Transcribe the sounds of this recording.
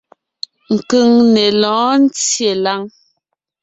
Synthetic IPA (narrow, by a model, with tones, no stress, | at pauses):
ŋ̩˨kʉ˦˨ŋne˨lɔ̃ː˨˦n̩˦t͡sje˨la˦ŋ